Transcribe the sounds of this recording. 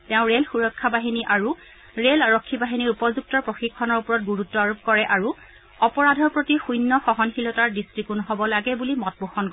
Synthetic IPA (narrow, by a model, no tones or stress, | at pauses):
tɛʊ̃ɹelxuɹɔkʰːabaɦiniʔaɹu | ɹelaɹɔkʰːibaɦiniɹupɔzuk̚tɔɹpɹoxikʰːɔnɔɹupɔɹɔt̚ɡuɹutːɔaɹup̚kɔɹɛʔaɹu | ɔpɔɹadʱɔɹpɹotixujnːɔxɔɦɔnxilɔtaɹdistɹikunɦɔbɔlaɡɛbulimɔt̚boxɔnk